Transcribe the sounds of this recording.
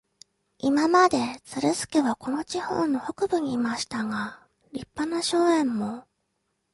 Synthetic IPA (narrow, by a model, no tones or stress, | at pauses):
imamad̪e̞t͡sɨɾɯzɨ̥ke̞βako̞no̞t͡ɕiho̞̰ːnːo̞ho̞kɯ̟bɯ̟ɲ̟iːmaɕi̥t̪aɡa | ɾʲipːanaɕo̞ːẽ̞mːo̞